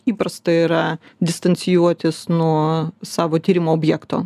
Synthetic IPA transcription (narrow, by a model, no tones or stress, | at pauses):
iːpɾɐst̪ɐɪɾɐd̪ʲɪst̪ɐnʲt̪sʲɪjuɔt̪ʲɪsnuɔsɑːʋoːt̪ʲiːɾʲɪmoːoːbʲjæːkt̪o̰ː